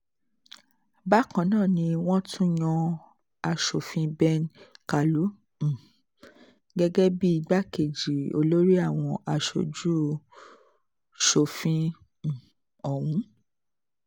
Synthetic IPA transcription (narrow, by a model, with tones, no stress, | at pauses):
ba˦kã˧˨nãː˦˨nĩ˧w̃ɔ̃˦tũ˦j̃ɔ̃˧ | a˧ʃo˨fĩ˧bɛ˦nka˨lũ˨˦˨ | ɡɛ˦ɡɛ˦bi˦i˧ɡ͡ba˦ke˨d͡ʒi˨o̰˧lo˦ɾi˦a˦˨w̃ɔ̃˧ʔa˨ʃo̰˨d͡ʒu˦ | ʃo˨fĩ˧˨ | ɔ˨wũ˨˦